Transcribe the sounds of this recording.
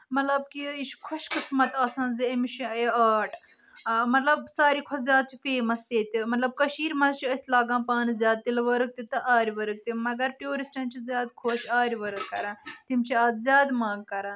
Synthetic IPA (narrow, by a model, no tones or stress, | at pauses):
mɐt̪lɐb̚kiiʃʰkʰoʃkɨt͡sʰmɐt̪aːsãːnziimt͡ʃʰieaːʈ | mɐt̪lɐbsaːɾiːkʰozʲjaːd̪̚t͡ʃʰifeːmɐst̪eːt̪imɐt̪lɐb̚kɐʃiːɾmɐzt͡ʃʰiəsʲlaːɡãːpaːnzʲjaːd̪̚t̪ilɐʋɐɾɨk̚t̪it̪ɨʔaːɾʲʋɐɾɨk̚t̪imɐɡɐɾʈjoːɾisʈɐ̃ːnt͡ʃʰizʲjaːd̪kʰoːʃaːɾʲʋɐɾɨkːɐɾãːt̪imt͡ʃʰiaːd̪zʲjaːd̪maːɡ̚kɐɾãː